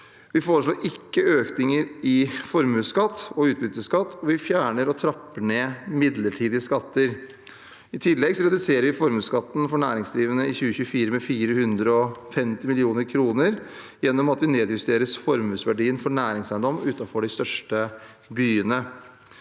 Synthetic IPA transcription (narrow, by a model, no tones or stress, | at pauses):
ʋɪfoːɾəʂɭoːɾʔɪkːəøːknɪŋəɾɪfɔɾmʉːskɑt̪ːɔʉːt̪̚bʏt̪ːəskɑt̪ːɔʋɪfjæːɳəɾɔt̪ʰɾɑpːəɳeːmɪd̪ləʈʰiːd̪ɪəskɑt̪ːəɾ | ɪt̪ʰɪlːɛɡsɔɾɛd̪ʉseːɾəɾʋɪfɔɾmʉːskɑt̪ːn̩fɔɳæːɾɪŋsd̪ɾiːʋənəɪçʉːəçʉːfiːɾəmɛfiːɾəhʉnd̪ɾəɔfɛmt̪ɪmɪlɪuːnəɾkʰɾuːnəɾ | jɛnːɔmɑt̪ʋɪneːd̪jʉst̪eːɾəsfɔɾmʉːsʋæɖiːənfɔɳæːɾɪŋsæɪənd̪ɔmʉːt̪ɑfɔɖɪst̪œʂʈə | byːənə